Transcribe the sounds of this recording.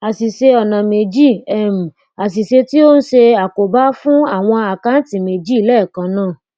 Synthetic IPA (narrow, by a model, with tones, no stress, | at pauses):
a˨si˨ʃe˧ɔ˨nã˨me˨d͡ʒi˦˨ɛ˦˨m̩˨ | a˨s̬i˨ʃe˧ti˦o˦n̩˦ʃe˧a˨ko˨ba˦fũ˦a˦˨w̃ɔ̃˧a˨ka˨˦n̩˦tĩ˨me˨d͡ʒi˦i˦˨lɛ˦˨kã˧˦nãː˦˨